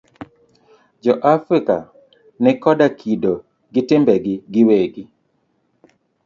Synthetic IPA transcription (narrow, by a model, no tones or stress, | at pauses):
d͡ʒɔʔafɾɪka | nɛkɔdakʰido | ɡɪtɪmbɛɡɪɡɪweɡi